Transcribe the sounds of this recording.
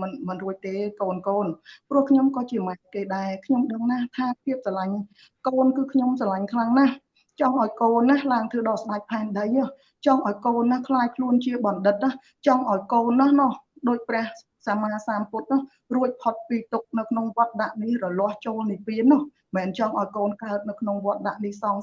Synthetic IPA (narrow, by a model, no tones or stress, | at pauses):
mɨnmɨnruəc̚t̪eːkoːnkoːnprŭəhkʰɲomkɑːt͡ɕiəmakeːɗaɛkʰɲomɗəŋnat̪ʰaːpʰiəp̚salaɲ | koːnkɨːkʰɲomsalaɲkʰlaŋnah | t͡ɕɑŋʔaɔjkoːnːahlaəŋt̪ʰɨːɗɑːsɗac̚pʰaɛnɗəjɔh | t͡ɕɑŋʔaɔjkoːnːahkʰlaːjkʰluənt͡ɕiəɓɑnɗɨt̪̚ːah | t͡ɕɑŋʔaɔjkoːnːɔ̆hnɔhɗoːc̚prɛ̆əh | saːmaːsaːmput̪̚nɔ̆h | ruəc̚pʰot̪̚piːt̪uk̚nɨwkʰnoŋʋŏət̪̚ɗaʔnihrɔlŏəht͡ɕoːlnipiənːɔh | mɛːnt͡ɕɑŋʔaɔjkoːnkaət̪̚nɨwkʰnoŋʋŏət̪̚ɗaʔnihsɑŋ